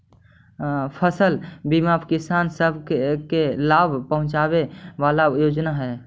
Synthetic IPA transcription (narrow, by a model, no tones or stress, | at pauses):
pʰəsəlbimapkɪsaːnsəbʱkkelabʱpəɦʊ̃t͡ʃabeʋalajoːd͡ʒnaɦɛ